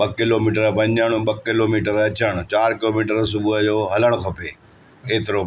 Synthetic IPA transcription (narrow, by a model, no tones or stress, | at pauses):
ɓɐkɪloːmiːʈəɾpɐɲaːɽ̃ũɓɐkɪloːmiːʈəɾɐt͡ɕəɽ̃t͡ɕaːɾkɪloːmiːʈəɾsʊbʊɦəd͡ʑoːɦɐləɽ̃kʰɐpeː | keːt̪ɪɾo